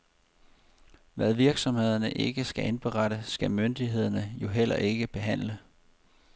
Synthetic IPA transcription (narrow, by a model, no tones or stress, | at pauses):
ʋæðˠʋiɐɡ̥sɒ̽mhe̝ð̞̰ˠɐnəʔe̝ɡ̥əsɡ̥æenb̥əʁɑɾ̥əsɡ̥æmønd̥iɦe̝ð̰ˠɐnəjo̝ɦel̰ɐ̰ʔe̝ɡ̥əb̥e̝ɦæn̰lə